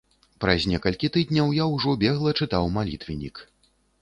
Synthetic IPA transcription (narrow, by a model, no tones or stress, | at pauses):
pɾazʲnʲɛkɐlʲkʲit̪ɨd̪ʲnʲɐwjawʐɔbʲɛɣlˠɐt͡ʂɨt̪awmalʲḭt̪vʲinʲik